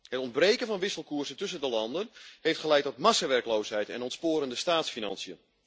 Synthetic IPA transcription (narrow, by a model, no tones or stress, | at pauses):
hətɔndbrejkənvɑnʋɪsəlˠkuːɹzəntɵs̬əndəlɑndənhejftχəlɛjtɔtmasəʋɛrklowsɦɛjtɛ̰nɔntspoːɾəndəstaːtsfinɑ̰nsiən